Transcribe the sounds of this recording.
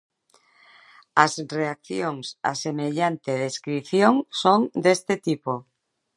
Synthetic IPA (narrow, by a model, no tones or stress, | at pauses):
asreak̚θjoŋsa̰semeʎant̪eðeskɾiθjoŋsoŋd̪est̪et̪ipo